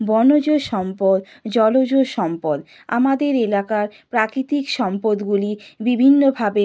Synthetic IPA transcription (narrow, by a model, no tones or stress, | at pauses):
bɔnod͡ʑoʃɔmpod̪ | d͡ʑɔlod͡ʑoʃɔmpod̪ | a̰mad̪eɾelakaɾpɾakɾit̪ikʃɔmpod̪ɡulibibʱinːobʱabe